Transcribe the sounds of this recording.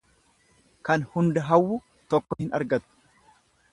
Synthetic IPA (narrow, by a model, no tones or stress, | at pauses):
kɐnhʊnd̪ɐɦɐwːʊ | t̪ɔkːɔhɪnɐ̰ɾɡɐt̪ʊ̥